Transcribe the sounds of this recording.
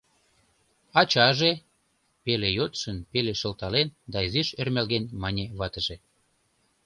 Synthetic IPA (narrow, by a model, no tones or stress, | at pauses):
ɑt͡ɕɑʒe | pelejot̪ʃənpeleʃəlt̪ɑlend̪ɑiziʃermælɣenmɑnʲeβɑt̪əʒe